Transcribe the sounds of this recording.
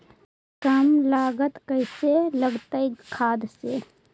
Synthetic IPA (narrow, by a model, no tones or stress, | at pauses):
kəmlaːɡət̪kəɪseləɡt̪əikʰaːd̪se